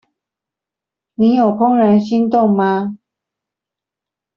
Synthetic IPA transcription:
ni˨˦jo˨˩ʊpʰʊ˥ŋɻa˧˥nɕi˥nt̪ʊ˥˨ŋma˨

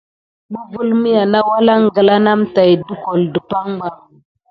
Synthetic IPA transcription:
mu˦vu˦lmi˦ja˨na˦wa˦la˦ŋɡə˨la˦na˦mta˨jdu˦ko˨ldə˨pa˦ŋɡ͡ba˦

